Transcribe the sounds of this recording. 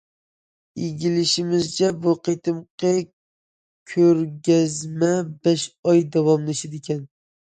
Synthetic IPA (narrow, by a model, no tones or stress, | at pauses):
eɡʲɪlɪʃɪmɪzt͡ʃʰɛbʊqʰet̪ʰɨmqʰɑ | kʲʰɵɾɡʲæzmɛbɛʃɑjd̪ɑwɑmlˠɪʃɪd̪ekʲɛn